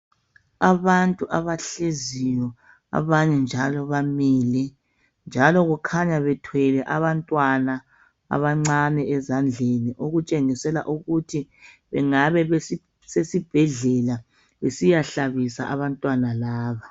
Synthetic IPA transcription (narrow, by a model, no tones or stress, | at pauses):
aβantʼuʔaβaɬezijɔ | a̰βaɲɛnd͡ʒʱalɔβamiːlɛ | nd͡ʒʱalɔɣukʰaɲaβɛtʰwɛlɛʔaβantʼwana | a̰βaŋ͡ǀanɛɛzand͡ɮʱeniʔoɣut͡ʃʼeŋisɛla̰ʔuɣutʰi | βɛŋaβɛβe | sesib̥ʱɛɮɛla | βesijaɬaβisa̰ʔaβantʼwanalaːβa